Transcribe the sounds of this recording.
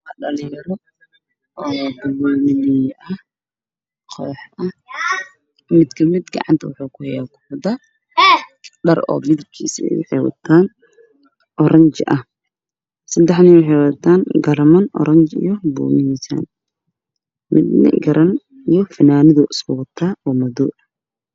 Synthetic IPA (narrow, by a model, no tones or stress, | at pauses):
kɐɖɐlɪjɐɾɔ | ʔɔːbʊluːnɪnɪjʔɐh | qʰɔːħʔɐh | mɪd̪kʰɐmɪd̪ɡɑ̰ʕɑ̰nt̪ʰɐwʊħuːkʰʊhɛjaːkʰʊ̥ħd̪ɐ | ɖɐrɔ̰ːmɪðɐb̚kʰḭːsɛ̰jwʊ̰ħɛjwɑ̰t̪ʰaːn | ʔɔɾɐnt͡ʃʔɐh | sɐd̪ɛħnɪwɪħɛjwɐt̪ʰaːnɡɐrmɐnʔɔ̰ɾɐnt͡ʃḭjɔbṵːnɪhisa̰ːn | mɪd̪nɪ̰ɡɐɾʔɐn | ijɔfɐnaːnɪðʊʔɪskʰʊwɑt̪ʰaːɔːmɐðuːʔ